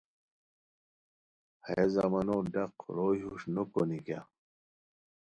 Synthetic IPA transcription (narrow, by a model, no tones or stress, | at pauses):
haezamɐnodɐqɾoːjuʂnokonika̰